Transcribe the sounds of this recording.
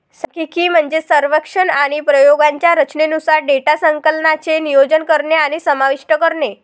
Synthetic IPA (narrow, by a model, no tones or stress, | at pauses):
səkikiːm̤əɳd͡zesəɾʋəkʂənaɽ̃ipɾəjoɡaɲt͡ɕjaɾət͡ɕnenusaɾɖeʈasəŋkəlnat͡senijod͡ʑənkəɾɳeaɽ̃isəmaʋiʂʈəkəɾɳe